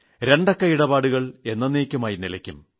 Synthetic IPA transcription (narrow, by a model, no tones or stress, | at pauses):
ɾe̞ɳɖɐkːɐiɽɐbaːɽuɣɐɭe̞nːɐnːeːkʲːumaːjinilɐkʲːum